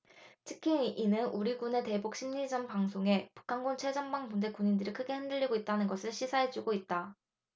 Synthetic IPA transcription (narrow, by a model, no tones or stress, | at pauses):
tʰɯkʰiːnɯnuɾiɡune̞te̞buk̚ɕ͈ʰimɲid͡ʑʌmpaŋsʰoŋe̞pu̥kʰanɡont͡ɕʰe̞d͡ʑʌnbaŋmunde̞kuɲindɯɾikʰɯɡe̞ɦhendɯʎːiɡoit̚t͈anɯnɡʌsʰɯɭɕʰisʰaɦed͡ʑuɡoit̚t͈a